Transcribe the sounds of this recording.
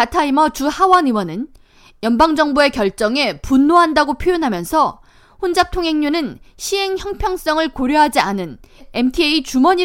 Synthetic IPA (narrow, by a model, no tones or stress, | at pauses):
atʰaimʌt͡ɕuhawʌnɯwʌnɯn | jʌnbaŋd͡ʑʌŋbue̞kjʌɭt͡ɕ͈ʌŋe̞punːoɦandaɡopʰjojʌnɦamjʌnsʰʌ | ɸond͡ʑap̚tʰoŋɦe̞ŋɲunɯnɕʰiɦe̞ŋçjʌŋpʰjʌŋs͈ʌŋɯɭkoɾjʌɦad͡ʑianɯnemtʰieit͡ɕumʌɲi